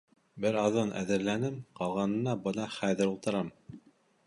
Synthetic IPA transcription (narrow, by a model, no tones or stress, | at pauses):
bɘɾɑðɤnʔæ̰ðɘ̆ɾlænɘmqɑlˠʁɑnɤ̆nɑbɤ̆nɑχæðɘ̆ɾulˠt̪ɤ̆ɾɑm